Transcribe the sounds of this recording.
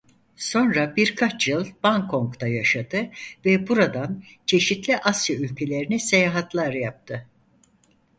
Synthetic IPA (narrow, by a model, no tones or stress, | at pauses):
so̞nɾabiɾkʰat͡ʃjɯlˠbaŋkʰo̞ŋkt̪ʰajaʃad̪ɯvɛbuɾad̪an | t͡ʃʰe̞ʃit̪lʲiʔasjaylʲcʰe̞lʲe̞ɾinɛse̞jaːɦat̪ʰlˠaɾjap̚t̪ʰɯ